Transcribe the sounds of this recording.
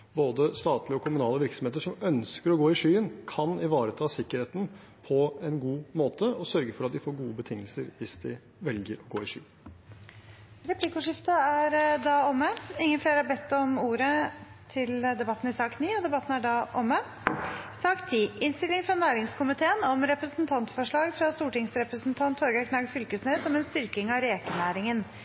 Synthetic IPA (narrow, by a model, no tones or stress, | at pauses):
boːd̪əst̪ɑːt̪lɪəɔkʰʊmʉnɑːləʋɪɾksɔm̩eːt̪̬əʂɔmœnskəɾɔɡoːɪʂyːənkʰɑnɪʋɑːɾət̪ʰɑːsɪkːəɾeːt̪n̩ | pʰɔɛnɡuːmoːt̪ʰəɔsœɾɡəfɔɾɑt̪̚d̪ɪfoːɾɡuːəbət̪ʰɪŋːəlsəɾʋɪsd̪ɪ | ʋɛlɡəɾɔɡoːɪʂy̰ː | ɾɛpʰlɪkʊʂɪft̪əæɾd̪ɑːɔmːəɪŋːənfleːɾhɑɾbɛt̪ːɔmuːɾət̪ʰɪld̪ɛbɑt̪ːn̩ɪsɑːkniːɔd̪ɛbɑt̪ːn̩æɖɑːʔɔmːə | sɑːkt̪ʰiːʔɪnst̪ɪlːɪŋfɾɑnæːɾɪŋskʊmɪt̪ʰeːənɔmɾɛpɾəsnt̪ʰɑnt̪fɔʂɭɑːɡfɾɑst̪uːʈɪŋsɾɛpɾəsnt̪ʰɑnt̪ʰhɔɾɡɑkʰnɑɡfʏlkəsneːsɔmɛnst̪ʏɾkɪŋɑɾeːkənæːɾɪŋən